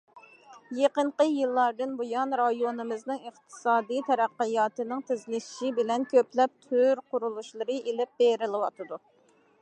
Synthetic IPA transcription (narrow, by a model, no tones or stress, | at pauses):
jeqəɴqəjɨlˠːɑɾd̪ɨnbojɑnɾɑjonɨmɨznɨŋəχt̪ʰɨ̥sɑːd̪ijt̪ʰɛɾæqːəjɑːt̪ɨnɨŋt̪ʰɪzlɪʃʃibɪlɛnkʲʰøplɛp̚t̪ʰyɾqʊɾulˠuʃlˠəɾɨʔelɪp̚beɾɪlˠɪwɑt̪ʰɨd̪u